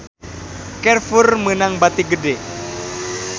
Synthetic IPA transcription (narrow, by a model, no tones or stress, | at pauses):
kɛrfurmənaŋbat̪iɡədɛ